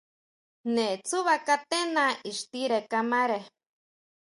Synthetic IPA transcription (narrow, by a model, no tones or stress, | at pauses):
net͡suβakat̪enaiʃt̪iɾekamaɾe